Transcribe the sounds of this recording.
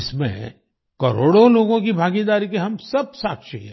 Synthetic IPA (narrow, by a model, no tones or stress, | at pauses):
ɪsmḛ̃ | kɐɾoːɽoloːɡõkibʱaːɡid̪aːɾikeɦɐmsɐb̚saːkʃiɦɛ̰̃